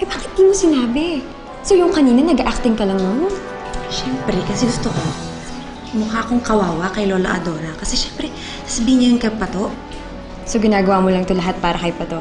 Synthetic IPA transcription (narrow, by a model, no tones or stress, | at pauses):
ʔɛbakɪt̪̚d̪iːmosɪnaːbɪ | sojʊŋkɐniːnɐnɐɡaʔak̚t̪ɪŋkɐlɐŋnoːnɪ | ʃɛmpɾɛkɐsɛɡʊst̪oko | mʊkaːkoŋkɐwaːwɐkɐjlolɐ̰ʔɐ̰d̪o̞ːɾɐkɐsɛʃɛmpɾɛ | sḁːsɐbiːhɪɲːɐjʊŋkɐpɐt̪o̞ʔ | soɡɪnaːɡɐwaːmolɐŋt̪olɐɦat̪̚paːɾɐkɐjpɐt̪oʔ